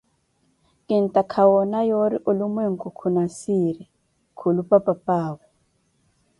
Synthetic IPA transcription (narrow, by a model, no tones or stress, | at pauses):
kʼin̩tʼakʰawɔnajoɾiʔolumweŋ̩kʼukʰunasiɾɛ | kʰulupʼapʼapʼaːβɔ